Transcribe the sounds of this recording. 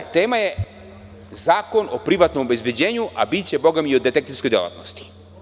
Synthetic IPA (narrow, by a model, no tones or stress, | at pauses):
t̪eːmaje | zaːkonopɾiʋat̪nomobezbjed͡ʑeːɲuʔabit̪t͡ɕeboɡamiod̪ːet̪ekt̪iskod̪ela̰t̪nost̪i̥